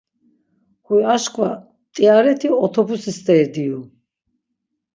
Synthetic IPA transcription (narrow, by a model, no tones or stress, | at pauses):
χujaʃkʰʼva | t̪ʼiaɾɛt̪ʰiɔt̪ʰɔbusisd̪ɛːɾd̪iu